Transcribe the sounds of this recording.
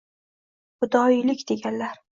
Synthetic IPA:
χʊd̪ɒjlɪkʲd̪̥e̞ɡʲanlaɾ

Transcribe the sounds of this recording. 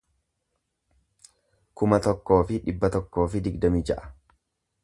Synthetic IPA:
kʊmɐt̪ɔkːo̞ːfɪᶑɪbːɐt̪ɔkːo̞ːfɪd̪ɪɡd̪ɐmiːd͡ʒɐʔɐ̥

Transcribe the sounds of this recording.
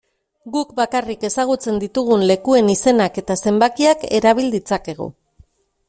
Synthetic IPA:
ɡukbakarike̞saɣ̞ut͡se̞nd̪it̪uɣ̞unle̞kue̞nise̞nake̞t̪ase̞mbakiake̞ɾaβ̞ild̪it͡sake̞ɣ̞ṵ

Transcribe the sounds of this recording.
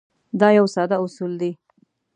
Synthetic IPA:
d̪ɑjawsɑd̪aʊsuld̪i

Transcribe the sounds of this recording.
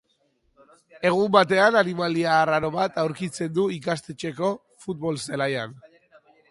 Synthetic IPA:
e̞ɣ̞umbat̪̬e̞ananimaliaːraɾo̞βat̪awɾkit͡se̞nd̪uikast̪et͡ʃe̞ko̞ | fut̪̚βo̞lselajan

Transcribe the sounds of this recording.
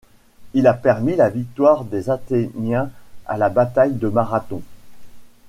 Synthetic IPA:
ilapɛʁmilavik̚t̪waʁd̪ezat̪enjɛ̃a̰labat̪ajd̪əmaʁat̪ɔ̃

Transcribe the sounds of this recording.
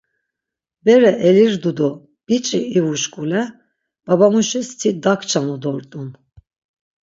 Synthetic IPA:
bɛɾɛʔɛliɾd̪ud̪ɔ | b̥it͡ʃʼiːvuʃkʼulɛ | b̥abamuʃist̪ʰid̪akʰt͡ʃʰanud̪ɔɾt̪ʼun

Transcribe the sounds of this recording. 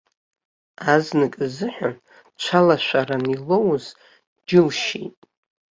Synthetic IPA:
aznɨkʼzɨħʷᶣa | t͡ʃʷʰalaʃʷaranilo̞wz̥ | d͡ʒɪlʃḭtʼ

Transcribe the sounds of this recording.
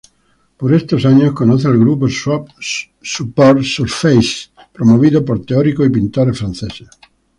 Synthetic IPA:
poɾest̪osaɲːoskonɔθealɡɾuposɔ | supɔɾsuɾfejs | pɾomoviːdðopoɾt̪eɔɾikoip̬int̪oɾefɾansese

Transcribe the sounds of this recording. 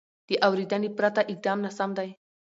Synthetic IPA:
t̪iʔawɾid̪anipɾat̪aʔik̚d̪amnasamd̪aj

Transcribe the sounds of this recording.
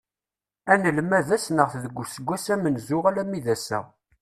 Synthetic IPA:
ænəlmæðæsnəʁθðəɡʷːʊsəɡʷːæsæmənzʊʁalæmːiðæsæ̰

